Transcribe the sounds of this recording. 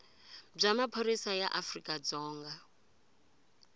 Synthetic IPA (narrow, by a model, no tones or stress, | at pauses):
b͡ʐamapʰoɾisajaʔafrikʼad͡zɔːŋɡa